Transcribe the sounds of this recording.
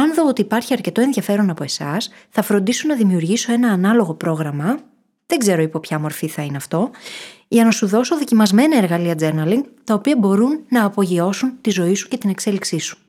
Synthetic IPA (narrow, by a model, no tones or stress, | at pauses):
ɐnðoot̪iːpɐɾçiɐɾce̞t̪o̞e̞nðiʝɐfe̞ɾo̞nɐpo̞e̞sɐsθɐfɾo̞nd̪isonɐðimiuɾʝiso̞e̞nɐːnɐlo̞ɣo̞pɾo̞ɣɾɐmɐ | ðeɡze̞ɾo̞ipo̞pçɐmo̞ɾfiθɐineɐft̪o̞ | ʝɐnɐsuðo̞so̞ðo̞cimɐzme̞nɐeɾɣɐliɐd͡ze̞ɾnɐliŋɡt̪ɐopiɐbo̞ɾunːɐːpo̞ʝio̞sunt̪izo̞isu̥ce̞t̪ine̞kse̞liksisu̥